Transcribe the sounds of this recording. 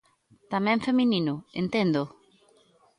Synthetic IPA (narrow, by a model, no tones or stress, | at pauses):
t̪amɛ̃ɱfeminĩnʊent̪ɛnd̪ʊ